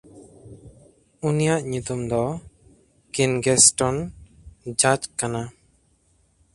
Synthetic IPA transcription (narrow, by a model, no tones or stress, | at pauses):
unijaʔɲut̪umd̪ɔ | kinɡɛsʈɔn | d͡ʒad͡ʒkana